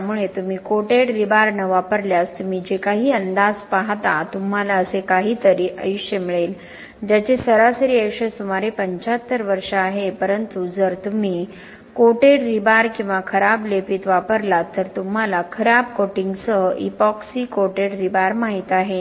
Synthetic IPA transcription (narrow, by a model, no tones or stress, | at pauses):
muɭet̪um̤iːkoʈeɽɾibaɾnəʋapəɾljast̪um̤iːd͡ʑekaɦiːənd̪ad͡zpaɦt̪at̪um̤alaəsekaɦiːt̪əɾiːʔə̰juʂjemiɭel | d͡ʑat͡ɕesəɾasəɾiːekʂəsumaɾepəɲt͡ɕat̪ːəɾʋəɾʂəːɦepəɾənt̪ud͡zəɾt̪um̤iː | koʈeɽɾibaɾkĩw̃ʋakʰəɾablepit̪ʋapəɾlat̪ːəɾt̪um̤alakʰəɾab̚koʈiŋɡsəʔḭpɔksiːkoʈeɽɾibaɾmaɦit̪aɦe